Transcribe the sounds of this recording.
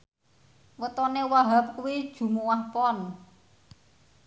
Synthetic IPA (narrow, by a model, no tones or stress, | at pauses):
wət̪ɔnewaɦap̚kuwid̥ʒ̥ṳmuwahpɔn